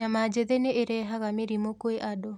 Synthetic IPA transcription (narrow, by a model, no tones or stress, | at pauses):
amad͡ʒeðeneʔeɾɛɦaɣameɾimokoeʔadɔ